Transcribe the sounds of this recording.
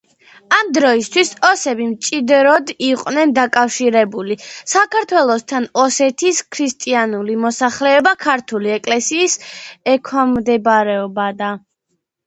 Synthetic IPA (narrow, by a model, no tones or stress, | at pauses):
amd̪ɾɔist̪ʰwisɔsɛbimt͡ʃʼid̪ɾɔd̪iqʼwnɛnd̪akʼafʃiɾɛbulisakʰaɾt̪ʰwɛlˠɔst̪ʰanɔsɛt̪ʰiskʰɾist̪ʼianulimɔsaχlɛɔbakʰaɾt̪ʰuliɛkʼlɛsiːsɛkʰwamd̪ɛbɾɛɔbad̪a